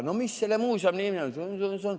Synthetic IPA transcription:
nomisːælemuisɑmnimnænseonsnson

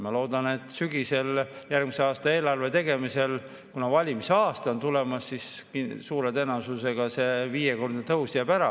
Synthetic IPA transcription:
mɑlo̞ːd̪̥ɑne̞t̪ːˑsyɡ̥ise̞l | jærɡ̥mise̞ɑːst̪ɑe̞ːlɑrve̞t̪e̞ɡ̥e̞mise̞l | kunɑvɑlʲimiseɑːst̪ɑo̞nt̪ule̞mɑsːiskisuːɾe̞t̪enɑsuse̞ɡ̥ɑse̞viːjeko̞rd̪̥ɑt̪ɤɦusijɑpæɾɑ

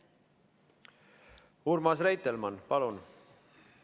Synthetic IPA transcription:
uɾmɑsrejt̪ːelmɑnpɑlun

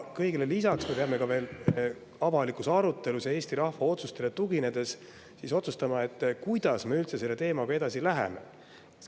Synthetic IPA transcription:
kɤjɡ̥elelisɑksme̞peɑme̞kɑve̞ːl | ɑvɑlikusɑɾut̪ːˑe̞luse̞ːsʲt̪iɾɑhfɑo̞t̪sust̪e̞le̞t̪uɡ̥ine̞d̪̥e̞s | siso̞t̪sust̪ɑmɑe̞t̪ːkujd̪̥ɑsme̞ylt̪se̞se̞lːe̞t̪e̞ːmɑkɑe̞d̪̥ɑsilæɦḛmḛ

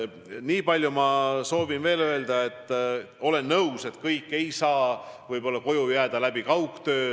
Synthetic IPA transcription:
niːpɑlʲjumɑso̞ːvinve̞ːlø̞e̞ld̪ɑe̞t̪ːˑ | o̞le̞nːɤwse̞t̪kɤjkˑːe̞jsɑːvɯjbo̞lːɑko̞jujæːd̪̥ɑlæb̥ikɑwkt̪ø̞ː

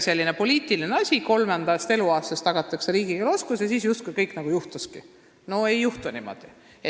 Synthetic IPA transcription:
se̞lʲːinepo̞lʲiːt̪ˑilineɑsʲiko̞lmend̪̥ɑst̪e̞luɑːst̪ɑst̪ɑɡ̥ɑt̪ːˑɑkseɾiːɡ̥iɡɑloskusjɑsiːsjust̪kujkɤjkːˑnɑɡ̥ujuht̪uski | no̞e̞jːuht̪unimo̞̰d̪̥i | e

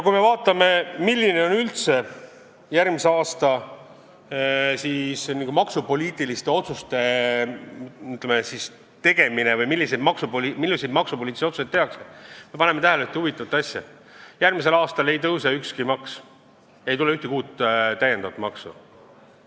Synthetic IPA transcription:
jɑkujme̞vɑːt̪ˑːɑme̞milʲːine̞o̞nylt̪se̞ | jærmise̞ɑːst̪ɑ | sisniɡ̥umɑksupo̞lʲiːt̪ˑilist̪e̞o̞t̪sust̪e̞ | yt̪ːˑlemesis | t̪e̞ɡ̥e̞mine̞vɯjmilːis̬ejd̪mɑksupolimilːisejd̪mɑksupoliːt̪iseot̪su̥sejt̪ːeɑksme̞pɑnemet̪æɦæleyt̪ehuvit̪ːˑɑvɑt̪ːɑsʲjɑ̰ | jærmis̬e̞lɑːst̪ɑle̞jt̪ɤwsɑykskimɑks | je̞jt̪uleyht̪ekuːt̪ːt̪æje̞nd̪ɑvɑt̪ˑmɑksṵ

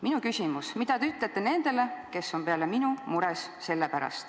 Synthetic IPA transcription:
minukysʲimusmid̪̥ɑt̪eyt̪ˑlet̪ːene̞nd̪̥e̞le̞ke̞sːo̞mpe̞ɑle̞minumuɾesse̞lːepæɾɑ̰st̪

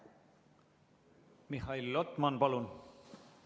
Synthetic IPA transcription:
mihɑilːot̪ˑmɑnpɑlun

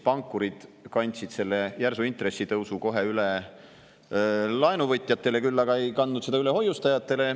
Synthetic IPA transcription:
pɑŋkːˑuɾid̪̥kɑnʲt̪ʲsid̪̥se̞lːe̞jærsuint̪re̞sːit̪ɤwsuko̞ɦe̞yle | lɑenuvɤt̪ʲːˑjɑt̪ˑːe̞le̞kylːɑɡɑe̞jkɑnd̪ud̪se̞d̪ɑyle̞ɦo̞jːust̪ɑjɑt̪ːˑe̞le̞

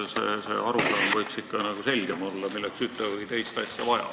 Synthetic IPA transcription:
sḛsḛːʔɑɾusɑnvɤjksikːɑnɑɡ̥use̞lʲɡ̥e̞mo̞lːɑmilːeksyt̪ːˑevɤjt̪e̞jst̪ɑsʲjɑvɑjɑ̰̥

